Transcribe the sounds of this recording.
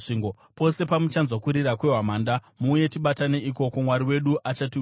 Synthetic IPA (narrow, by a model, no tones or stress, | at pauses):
iːŋɡo | po̞se̞pamut͡ʃanzokuɾirakwe̞ɦwamaːndamuje̞tiɓatane̞iko̞komwaɾiwe̞ɗuʔat͡ʃati